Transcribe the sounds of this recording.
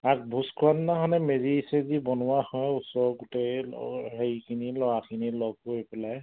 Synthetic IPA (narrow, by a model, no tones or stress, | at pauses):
ak̚bʱuskʰuannaɦɔnɛmezisɛzibɔnʊwahɔjusɔɹɡutḛhekʰinilɔɹakʰinilɔɡ̚poɹipɛlaj